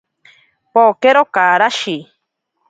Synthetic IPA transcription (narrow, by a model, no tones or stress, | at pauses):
pokeɾokaɾaʃi